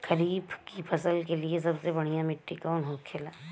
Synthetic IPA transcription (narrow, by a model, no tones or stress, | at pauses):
kɐɾiːbkipʰɐsəlkeliesɐbsebɐɽ̤̃ijãmɪʈːikanɦõːkʰːelaː